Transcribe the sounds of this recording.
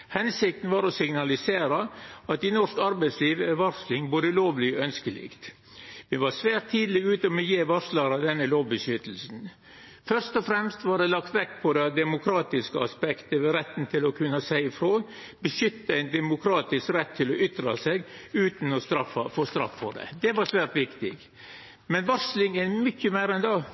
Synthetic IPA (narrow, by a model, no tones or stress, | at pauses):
hɛnsɪk̚t̪n̩ʋɑːɾɔsɪŋnɑlɪseːɾɑɑt̪̚ɪnɔʂkɑɾbæɪsliːʋəɛʋɑɾslɪŋboːd̪əloːʋlɪɔœnskəlɪ̰kt̪ | ʋɪʋɑsʋæːɾt̪ʰːiːd̪lɪɡʉːt̪əɔmɛjeːʋɑɾʂlɑɾɑd̪ɛnːəloːʋbəʃʏt̪l̩sn̩ | fœɾʂt̪ɔfɾɛmst̪ʋɑɖɛlɑkt̪ʋɛkːpʰɔd̪ɛd̪ɛmʊkʰɾɑːt̪ɪskəɑspɛkt̪əʋɛɾɛt̪ːn̩t̪ʰɪlɔkʰʉnːɑsæɪɪfɾoː | bəʃʏt̪ːəæɪnd̪ɛmʊkʰɾɑːt̪ɪskɾɛt̪ʰːɪlɔʔʏt̪ɾɑsɛɡʉːt̪n̩ɔst̪ɾɑfɑfoːst̪ɾɑ̰fːɔɖɛ̰d̪ɛʋɑɾsʋæːɾt̪ʋɪkt̪ɪ̰ɡ | mɛnʋɔɾʂlɪŋæmʏçːəmæɪɾɛnd̪ɑ